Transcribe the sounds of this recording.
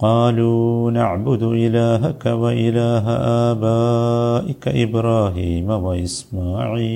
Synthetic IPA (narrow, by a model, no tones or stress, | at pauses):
qɑːluːnaʕbʊd̪ʔɪlaːɦakawaʔɪlaːɦa̰ʔaːbaːʔɪka̰ʔɪbɾɑːɦiːmawaʔɪsmaːʕiː